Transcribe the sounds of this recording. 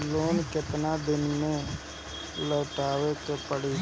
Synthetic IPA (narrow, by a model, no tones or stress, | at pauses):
loːnkɪt̪nad̪ɪnmẽ | ləːʈaːʋek̪epəɽi